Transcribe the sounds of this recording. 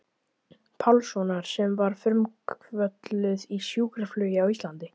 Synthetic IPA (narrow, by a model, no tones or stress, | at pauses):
pʰawlsɔnaɾ̥sɛmvaɾ̥fʏɾmkvœt̪lʏðisjuːkɾaflʏːjɪawist̪lant̪ɪ